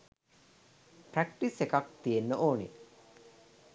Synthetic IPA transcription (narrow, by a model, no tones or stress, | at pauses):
pɾækʈisekak̚t̪ijenːəʔoːnḭ